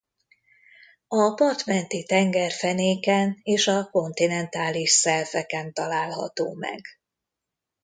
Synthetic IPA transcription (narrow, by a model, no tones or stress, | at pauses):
ɒpɒrt̪mɛnt̪it̪ɛŋɡɛrfɛneːkɛneːʃɒko̞nt̪inɛnt̪aːliʃsɛrvɛkɛnt̪ɒlaːlɦɒ̰t̪oːmɛ̰ɡ̥